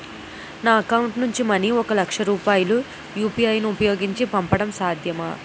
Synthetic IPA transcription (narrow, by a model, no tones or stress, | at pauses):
naːɐkɐwuɳʈnuɲt͡ʃimɐniɔkɐlɐkʂɐɾuːpaːjulu | juːpiɐjnuupɐjo̞ːɡiɲt͡ʃipɐmpɐɽɐmsaːd̪ʱjɐmɐ